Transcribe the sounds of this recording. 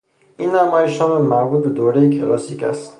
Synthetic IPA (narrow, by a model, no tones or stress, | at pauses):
inːamajiʃɔnmaɾbut̪̚bed̪owɾejikʰelɒsika̰st̪